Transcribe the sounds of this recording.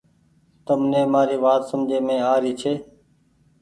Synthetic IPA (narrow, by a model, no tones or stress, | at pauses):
t̪əmnẽːmaːɾiːʋaːt̪səmd͡ʒeːmẽːaːɾiːt͡ʃʰeː